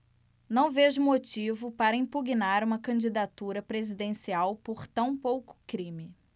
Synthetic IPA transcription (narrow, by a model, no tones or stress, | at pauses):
nɐ̃w̃veʒʊmot͡ʃivʊpaɾɐĩmpuɡinaɾũmɐkɐ̃d͡ʒid̪at̪uɾɐpɾezid̪ẽsiawpoɾt̪ɐ̃w̃powkʊ̥kɾĩmɪ